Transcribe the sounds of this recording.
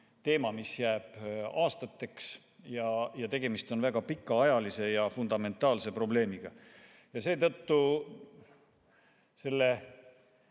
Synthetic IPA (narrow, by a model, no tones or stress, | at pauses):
t̪e̞ːmɑmisjæːb̥ɑːst̪ɑt̪ːe̞ks | jɑjɑt̪e̞ɡ̥e̞mist̪o̞nvæɡ̥ɑpikːɑɑjɑlise̞jɑfund̪̥ɑme̞nt̪ːˑɑːlse̞pro̞ble̞ːmiɡ̥ɑ | jɑse̞ːt̪ɤt̪ːu | se̞lːe̞